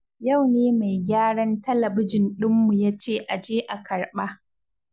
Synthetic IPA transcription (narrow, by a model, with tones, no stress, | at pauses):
ja˦˨wneː˦ma˨jɡʲaː˦ɽɐ˦ntɐ˦lɐ˨bɪ˦d͡ʒɪ˨nɗɪ˦mːu˨jaː˦t͡ʃeː˦˨ʔa˨d͡ʒeː˦ʔa˨kʰɐ˨rɓa˦